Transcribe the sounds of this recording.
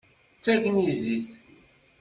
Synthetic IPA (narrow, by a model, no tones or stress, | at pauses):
t͡sːækəniziθ